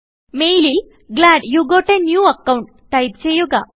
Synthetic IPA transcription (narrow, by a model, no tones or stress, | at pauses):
mejli | ɡlaɽjuɡoʈenjuɐkawuɳʈ | ʈajp̚t͡ɕejuɡa